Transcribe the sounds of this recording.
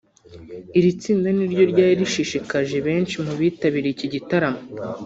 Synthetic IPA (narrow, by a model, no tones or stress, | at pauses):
iɾit͡siːndaniɾɟo̞ɾɟaːiɾiʃiʃikaʒe̞βe̞ːnʃimuβiːtaβiɾeiciɟitaɾamo